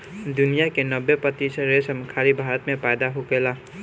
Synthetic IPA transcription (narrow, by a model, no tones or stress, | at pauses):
d̪ʊnijakenəbːepət̪isɾesəmkʰaɾibʱaɾət̪mepajd̪aɦoɡela